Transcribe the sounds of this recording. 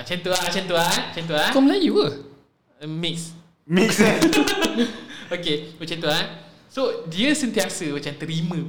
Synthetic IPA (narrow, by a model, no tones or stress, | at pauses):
t͡ʃãnt̪uaʔt͡ʃãnt̪uaət͡ʃãnt̪uakɔmlajuə | miks | miks | okewət͡ʃãnt̪uan | sodiəsə̃nt̪iasəmat͡ʃãmt̪əɾimə̃